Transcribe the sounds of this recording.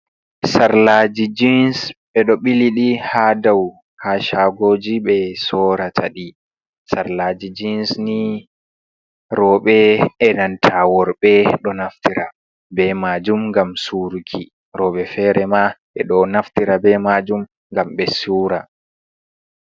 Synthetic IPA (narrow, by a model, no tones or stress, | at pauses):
saɾlad͡ʒid͡ʒinsɓɛɗɔɓiliɗihadaw | haːʃaɡoːd͡ʒiɓɛsɔɾatʰaɗi | saɾlaːd͡ʒid͡ʒinsni | ɾɔːɓɛɛnantʰawɔɾɓɛɗɔnaftiɾa | bɛmad͡ʒumŋɡamsuɾukʰi | ɾɔːɓɛfɛːɾɛmaʔɛɗɔnaftiɾabɛmad͡ʒum | ŋɡamɓɛsuːɾa